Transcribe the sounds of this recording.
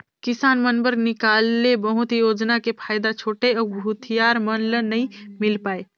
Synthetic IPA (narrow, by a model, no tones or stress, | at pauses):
kɪsaːnmənbəɾnɪkaːlːebəɦʊt̪joːd͡ʒnakepʰaːjd̪at͡ʃʰoːʈeɔːɾbʱʊt̪ʰijaːɾmənlənəĩmɪlpaːe